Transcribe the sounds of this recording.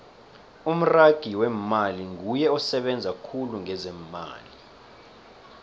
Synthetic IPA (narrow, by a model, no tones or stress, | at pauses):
um̩raɡ̥ʱiwɛmaliŋujɛɔsɛɓɛnd͡zʱakʰuluŋɛzɛma̰ːli